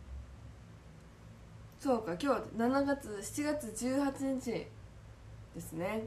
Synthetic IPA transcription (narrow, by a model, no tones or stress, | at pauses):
so̞ːkakʲo̞ːnanaɡat͡sɨɕi̥t͡ɕiɡat͡sɨd͡ʑɨːhat͡ɕiɲ̟it͡ɕi | d̪̥e̞sɨne̞